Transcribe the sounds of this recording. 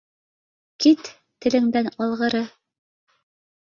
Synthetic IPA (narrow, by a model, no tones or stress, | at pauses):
kit̪ː | ɘ̆lɘ̆ŋd̪ænɑlˠʁɤ̆ɾɤ